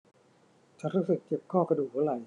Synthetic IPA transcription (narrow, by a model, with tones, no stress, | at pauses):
t͡ɕa˧˩˥ɾuː˦˥sɯ˨˩k̚t͡ɕe˨˩p̚kʰɔː˥˩ka˧duː˨˩k̚ːɾa˨˩j